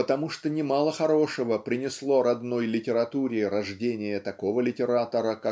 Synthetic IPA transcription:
pət̪ɐmuʂt̪onʲɪmalˠəxɐɾo̞ʂəvəpɾʲɪnʲɪslˠo̞ɾɐd̪no̞jlʲɪtʲɪɾɐt̪uɾʲɪɾɐʐdʲenʲɪjət̪ɐko̞vəlʲɪtʲɪɾat̪əɾəka

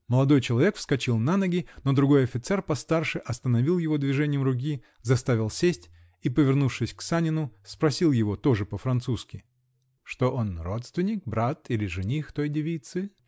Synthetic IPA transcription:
məlˠɐd̪o̞jt͡ɕɪlˠɐvʲe̞kfskɐt͡ɕilˠnanəɡʲɪno̞d̪ɾʊɡo̞jɐfʲɪt̪sɛrpɐst̪arʂɨʔɐst̪ənɐvʲilˠjɪvo̞d̪vʲɪʐɛnʲɪjəmrʊk̬ʲi | zɐst̪avʲɪlˠsʲesʲtʲ | ipəvʲɪrnufʂɨsʲksanʲɪnʊspɾɐsʲilˠjɪvo̞t̪o̞ʐɨpəfɾɐnt̪suskʲɪ | ʂt̪o̞ʔo̞nro̞t̪st̪vʲɪnʲɪk̚bɾat̪ilʲɪʐɨnʲixt̪o̞jdʲɪvʲijt̪sɨ

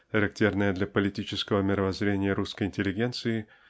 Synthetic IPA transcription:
xəɾɐk̚tʲernəjəd̪lʲɐpəlʲɪtʲit͡ɕɪskəvəmʲɪɾəvɐzɾʲenʲɪjəɾuskəjɪnʲtʲɪlʲɪɡʲe̞nt̪sɨɪ

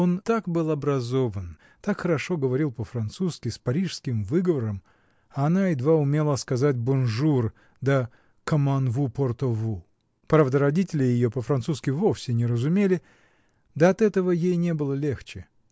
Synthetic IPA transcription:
o̞nt̪akbɨlˠɐbɾɐzo̞vən | t̪akxəɾɐʂo̞ɡəvɐɾʲilˠpəfɾɐnt̪suskʲɪspɐɾʲiʂskʲɪmvɨɡəvəɾəm | aːnaɪd̪vaʊmʲelˠəskɐzat̚ʲbʊnʐur | d̪ə | kəmanvuport̪ovu | pɾavd̪əɾɐdʲitʲɪlʲɪjɪjopəfɾɐnt̪suskʲɪvo̞fsʲɪnʲɪɾəzʊmʲelʲɪ | d̪əɐt̪ɛt̪əvəjejnʲe̞bɨlˠəlʲe̞xt͡ɕɪ

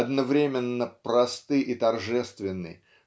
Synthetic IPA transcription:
ɐd̪nɐvɾʲemʲɪnːəpɾɐst̪ɨʔit̪ɐrʐɛst̪vʲɪnːɨ̰j

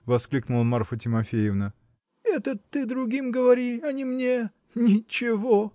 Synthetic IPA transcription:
vɐsklʲiknʊlˠəmarfətʲɪmɐfʲejɪvnə | ɛt̪ət̪ːɨd̪ɾʊɡʲimɡəvɐɾʲiɐnʲimnʲe | nʲɪt͡ɕɪvo

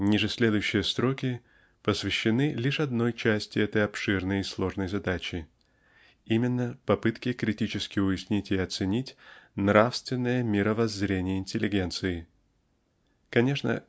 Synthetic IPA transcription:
nʲiʐɨsʲlʲe̞d̪ʊjʉɕːɪjəst̪ɾo̞kʲɪ | pəsvʲɪɕːɪnɨlʲiʂɐd̪no̞jt͡ɕæsʲtʲɪɛt̪əjɐpʂɨrnəjɪslˠo̞ʐnəjzɐd̪at͡ɕɪ | imʲɪnːəpɐpɨt̪kʲɪkɾʲɪtʲit͡ɕɪskʲɪʊjɪsʲnʲitʲɪɐt̪sɨnʲitʲnɾafst̪vʲɪnːəjəmʲɪɾəvɐzɾʲenʲɪjəɪnʲtʲɪlʲɪɡʲe̞nt̪sɨɪ | kɐnʲe̞ʂnə̰

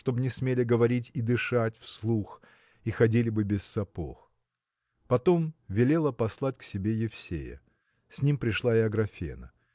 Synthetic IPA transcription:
ʂt̪o̞bnʲɪsmʲelʲɪɡəvɐɾʲitʲid̪ɨʂatʲfslˠux | ixɐdʲilʲɪbɨbʲɪsːɐpo̰x | pɐt̪o̞mvʲɪlʲe̞lˠəpɐslˠatʲksʲɪbʲe̞jɪfsʲḛjə̰ | sʲnʲimpɾʲɪʂlˠaɪɐɡɾɐfʲḛnə̰

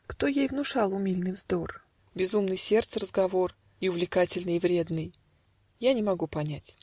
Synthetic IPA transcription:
kt̪o̞jejvnʊʂɑlˠʊmʲilʲnɨjvzd̪o̞r | bʲɪzumnɨjsʲe̞rt̪sərəzɡɐvo̞r | ɪʊvlʲɪkatʲɪlʲnɨjvɾʲe̞d̪nɨj | janʲɪmɐɡupɐnʲætʲ

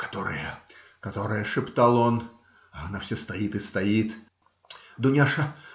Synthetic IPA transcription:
kḁt̪ɔɾɨ̰jɐ | kat̪ɔɾɐjɐʂɨpt̪alˠɔn | ɐnawsʲɔst̪ajit̪ɨst̪ajit̪ | d̪ʊnʲaʂɐ

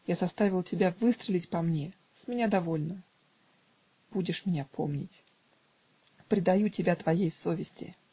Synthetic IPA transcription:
jazɐst̪avʲɪlˠtʲɪbʲavɨst̪ɾʲɪlʲɪtʲpɐmnʲe | sʲmʲɪnʲad̪ɐvo̞lʲnə | b̥udʲɪʂmʲɪnʲapʰomnʲɪ̰tʲ | pɾʲɪd̪ɐjutʲɪbʲat̪vɐjejso̞vʲɪsʲtʲɪ̰

